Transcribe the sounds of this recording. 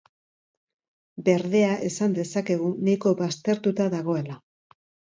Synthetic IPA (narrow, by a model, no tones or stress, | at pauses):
be̞ɾðe̞aʔe̞sand̪e̞sake̞ɣ̞unajko̞βast̪e̞ɾt̪ut̪aðaɣo̞e̞la